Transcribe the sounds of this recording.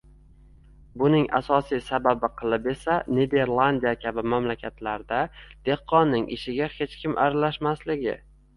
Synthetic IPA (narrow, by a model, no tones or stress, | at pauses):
bʊnɪŋa̰sɒsijsababɪqʰɨlˠɪpe̞saned̪e̞ɾlˠand̪ijakʲʰabɪmamlakʲʰat̪laɾd̪ad̪̥e̞hqʰːɒnːɪŋʔɪ̰ʃɪɡʲahe̞t͡ʃkʲʰɪmʔa̰ɾalaʃmaslɪɡʲɪ̰